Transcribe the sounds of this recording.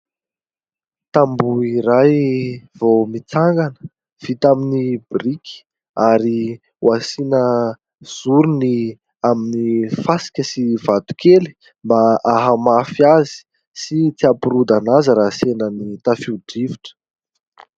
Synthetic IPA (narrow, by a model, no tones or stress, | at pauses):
t̪ambuiɾajv̥omit͡saŋɡanə̥ | v̥it̪aminibriki̥ | aɾi | wasinə | z̥uɾuni | aminifasi̥kʲəsivat̪u̥keli̥ | mbaaɦamafiazi̥ | sit͡siapuɾud̪anazəɾasenənit̪afiɖ͡ʐiviʈ͡ʂə̥